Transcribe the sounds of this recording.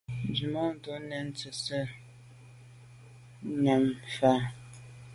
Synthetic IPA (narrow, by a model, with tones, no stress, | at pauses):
n˨d͡ʒi˨mɔ˦n̩˨to˨˦nɛ˨n̩˦t͡sə˨sə˦ | ɲa˨ŋfa˦